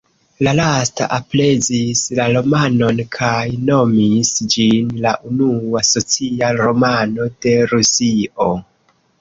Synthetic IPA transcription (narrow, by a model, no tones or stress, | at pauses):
lalasta̰ʔaple̞zislalo̞mano̞nkʰajno̞misd͡ʒinlaʔunuaso̞t͡siaɾo̞mano̞d̥e̞ɾusio̞